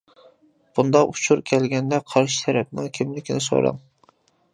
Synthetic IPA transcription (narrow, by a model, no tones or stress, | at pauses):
b̥und̪ɑut͡ʃʰuɾkʲʰɛlɡʲɛnd̪ɛqʰɑɾʃi̥t̪ʰɛɾɛp̚nɪŋkʲʰimlɪkʲinɪso̰ɾɨ̰ŋ